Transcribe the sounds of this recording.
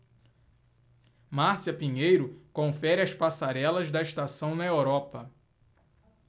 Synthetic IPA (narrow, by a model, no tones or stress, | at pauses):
maɾsiɐpĩɲejɾʊkõfɛɾɪɐspasaɾɛlɐzd̪ɐiʃt̪asɐ̃w̃nɐewɾɔpɐ